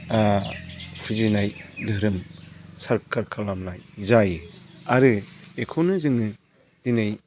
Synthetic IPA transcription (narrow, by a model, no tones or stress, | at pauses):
pʰɯzinajdɯɾɯmsaɾkʰaɾkʰalamnajzajɯaɾɯekʰownɯzɯŋɯ | d̥inaj